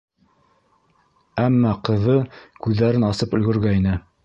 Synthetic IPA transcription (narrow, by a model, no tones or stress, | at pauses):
æmːɑqɤ̆ðɤkʉðːæɾɘnɑsɤpɵ̆lɡɵ̆ɾɡæinɘ